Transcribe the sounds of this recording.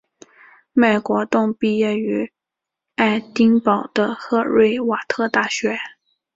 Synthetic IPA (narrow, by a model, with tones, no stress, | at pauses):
me˨˩ɪkwɔ˧˥t̪ʊ˥˧ŋpi˥˧jɛ˥˩y˧˥ | a˥˩ɪt̪i˥ŋpɑ˨˩ʊd̪̥ə˦xɤ˥˧ɻwe˥˩ɪwa˨˩t̪ʰɤ˥˧t̪a˥˩ɕɥɛ˧˥